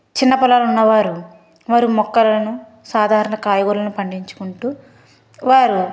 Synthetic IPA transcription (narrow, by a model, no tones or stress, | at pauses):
t͡ʃinːɐpɐlaːlunːɐʋaːɾu | ʋaːɾumɔkːɐlɐnu | saːd̪ʱaːɾɐɳɐkaːjɐɡulɐnupɐɳɖiɲt͡ʃu̥kuɳʈuː | ʋaːɾu